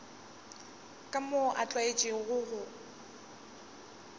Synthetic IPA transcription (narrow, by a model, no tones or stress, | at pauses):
kʼamoʔat͡ɬʼwaet͡ʃʼɪɣʊɣʊ